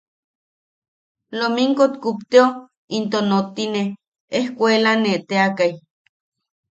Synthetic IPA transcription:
lomiŋkot̪kupt̪eo | int̪onot̪ineh | ehkʷelaneʔt̪eakaj

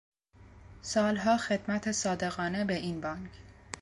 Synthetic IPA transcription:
sɒːlɦɒːxe̞d̪̥mæt̪ʰesɒːd̪e̞ɣɒːne̞be̞ʔiːnbɒːŋkʰ

